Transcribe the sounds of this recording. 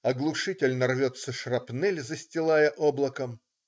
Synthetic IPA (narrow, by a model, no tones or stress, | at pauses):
ɐɡlˠʊʂɨtʲɪlʲnɐrvʲot̪səʂrɐpnɛlʲzəsʲtʲɪlˠajəʔoblˠəkəm